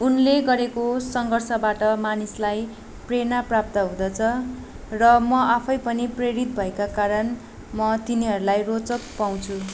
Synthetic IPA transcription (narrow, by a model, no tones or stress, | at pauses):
unleɡʌɾekosʌŋɡʌrsʌbaʈʌmanislaj | prenaprap̚t̪ʌɦũd̪ʌt͡sʰʌ | rʌmʌapʰʌjpʌnipreɾit̪̚bʱʌekakaɾʌn | mʌt̪iniɦʌɾulajrot͡sʌk̚paw̃t͡sʰu